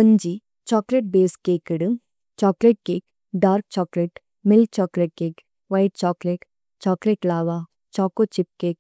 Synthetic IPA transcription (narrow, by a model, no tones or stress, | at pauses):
pɐnd͡ʒi | t͡ʃɔːkleʈ̚beːskeːkəɽɨ | t͡ʃɔːkleʈ̚keːk | ɖaːɾk̚t͡ʃɔːkleʈ | mɪl̚t͡ʃɔːkleʈ̚keːk | ʋaɪʈ̚t͡ʃɔːkleʈ | t͡ʃɔːkleʈlaːʋa | t͡ʃɔːkot͡ʃɪp̚keːk̚